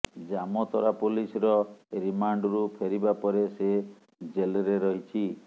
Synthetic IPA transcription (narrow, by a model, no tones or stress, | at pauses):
d͡ʒamɔt̪ɔɾapulisɔɾɔɾimaɳɖɾupʰeɾibapɔɾese | d͡ʒelɔɾeɾɔɦit͡ʃʰi